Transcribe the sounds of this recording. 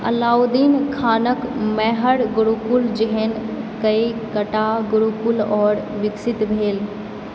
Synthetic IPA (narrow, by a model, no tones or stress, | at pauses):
ɐ̰laːwd̪iːnkʰaːnəkmɛɦəɽɡʊɽukʊld͡ʒɪɦənkɐikɐʈaɡʊɽukʊlɔːɾʋɪksɪt̪bʱeːl